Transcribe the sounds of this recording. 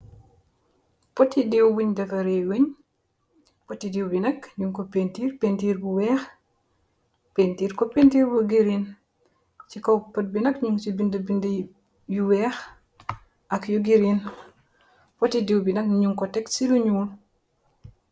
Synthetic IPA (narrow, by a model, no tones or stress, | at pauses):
potːidiwbuɲdɐfɐɾeweɲ | potːidiwbinɐkɲuŋkopentiːɾpentiːɾbuwɛːx | pentiːɾkopentiːɾbuɡiɾin | t͡ʃikopɐt̚binɐkɲuŋt͡ʃibindəbind | juwɛːx | ʔɐkjuɡiɾin | pɔtidiwbinɐkɲuŋkɔtɛksiluɲuːl